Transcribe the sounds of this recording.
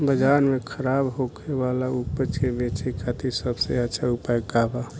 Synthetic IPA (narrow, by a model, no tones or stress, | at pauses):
bəd͡ʒanmekʰəɾaːbɦokʰebalaupət͡ʃebet͡ʃekʰat̪ʰisəbseət͡ʃʰaupajkaba